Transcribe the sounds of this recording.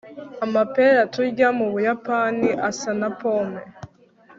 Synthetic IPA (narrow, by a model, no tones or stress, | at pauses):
amapeɾatuɾɟamuβujapaniʔasanapome